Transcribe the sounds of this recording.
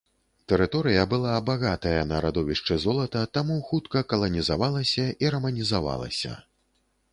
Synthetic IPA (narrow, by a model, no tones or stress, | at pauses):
t̪ɛɾɨt̪ɔɾɨjɐbɨlˠabaɣat̪ɐjɐnɐɾad̪ɔvʲiʂt͡ʂɨzɔlˠɐt̪ɐt̪amuxut̪kɐkɐlˠɐnʲizavalˠɐsʲɐʔiɾɐmɐnʲizava̰lˠɐ̰sʲɐ̰